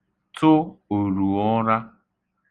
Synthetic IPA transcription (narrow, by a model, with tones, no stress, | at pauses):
tʰʊ˦o˨ɾu˨ɔ˦ɾa˦